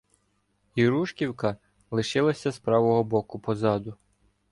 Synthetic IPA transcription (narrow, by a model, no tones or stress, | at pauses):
iɾuʃkʲiwkɐ | lˠɪʃɪlˠɐsʲɐspɾɑʋɔɦɔbɔkʊpɔzɑd̪ʊ